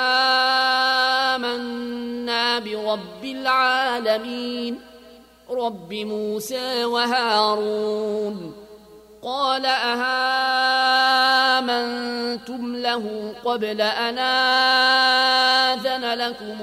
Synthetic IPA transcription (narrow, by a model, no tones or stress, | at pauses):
ʔaː | manːaːbɪɾˤɑbːɪlʕaːlamiːn | ɾˤɑbːɪmuːsaːwaɦaːɾˤun | qɑːlaʔahaː | mant̪ʊmlahʊqɑblaʔanaː | ðanalakʊm